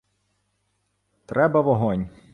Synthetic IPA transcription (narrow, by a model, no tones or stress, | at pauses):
t̪ɾɛbɐʋɔɦɔnʲ